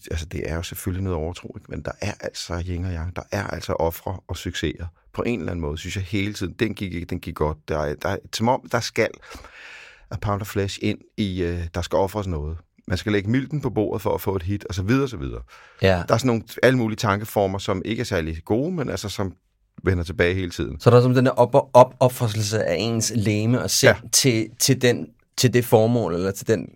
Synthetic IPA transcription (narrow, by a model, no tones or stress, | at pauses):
æls̬əd̥e̝ʔæɐjo̝seføllinɔːð̩ˠɒʊɐt͡sʰʁo̰ːeɡ̥mend̥ɑ̈ʔæɐʔæl̰sɒjeŋɒjɑ̈ŋd̥ɑ̈ʔæɐʔæl̰sɒ̽ʔɒ̽fʁɐɒ̽syɡ̥se̝̰ɐð̩ˠpʰɒ̽ʔe̝̰nelæn̩mɔ̽ːð̩ˠsynsjɑ̈ɪhe̝ːlət͡sʰið̞̰ˠn̩d̥enɡ̥ie̥d̥enɡ̥iɐɡ̥ɒ̽d̥̚d̥ɑd̥ɑ̈sɒ̽mɒ̽m̰d̥ɑ̈sɡ̥æl̰ | pʰɑ̈ʊnd̥ɐflæɕe̝n̰iød̥ɑ̈sɡ̥æɒ̽fʁɐsnɔ̽ːð̞̩ˠ | mænsɡ̥æleɡ̥əmil̰d̥n̩pʰɒ̽b̥o̝̰ːɐ̰ð̞̩ˠfɒ̽æfɔ̰̽ːe̝d̥ɦid̥ɒ̽sɒ̽ʋið̞ˠɐɒ̽s̬ɒ̽ʋið̞ˠɐːd̥ɑ̈æɐsnːo̝ːnæləmuːliət͡sʰɑ̈ŋɡ̥əfɒːmɐsɒ̽me̝ɡ̥əæɐsæɐliɡ̥o̝ːmenʔælsɐsɒ̽m | ʋenɐt͡sʰe̝b̥ɛːɪɦe̝ːlət͡sʰḭð̞̰ˠn̩sɒɾ̥es̬ɒ̽md̥enʔɒb̥ɒ̽b̥fʁɐsl̩s̬əʔæʔe̝̰ːnsleːməɒsḛt͡sʰe̝t͡sʰe̝ld̥en | t͡sʰe̝ld̥e̝fɒːmɔ̰̽ːlelɐt͡sʰe̝ld̥en